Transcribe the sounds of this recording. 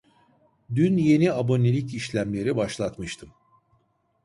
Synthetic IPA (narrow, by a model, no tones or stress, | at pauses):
d̪ynje̞niabo̞nelʲiciʃlʲæmlʲe̞ɾibaʃlˠat̪mɯʃt̪ʰɯm